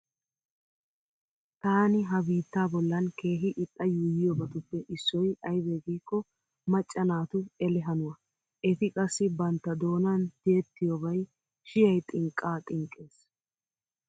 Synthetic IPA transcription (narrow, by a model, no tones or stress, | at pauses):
t̪aːnɪɦɐbiːt̪ːaːbɔlːɐnke̞ːɦɪʔɪt̪ʼːɐjuːjɪjɔbɐt̪ʊpːɛʔɪsːɔjɐjbeɡiːkːɔ | mɐt͡ʃʼːɐnaːt̪ʊɛlɛɦɐnʊwɐ | ʔɛt̪ɪkʼɐsːɪbɐnt̪ːɐd̪o̞ːnɐnd̪̥ɪɛt̪ːɪjɔbɐj | ʃɪjɐjt̪ʼɪŋkʼːaːt̪ʼɪŋkʼːe̞ːs